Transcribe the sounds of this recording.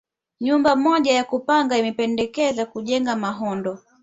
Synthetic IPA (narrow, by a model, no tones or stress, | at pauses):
ɲumbamɔʄajakupaŋɡaimɛpɛndɛkɛzakuʄɛŋɡamaɦɔndɔ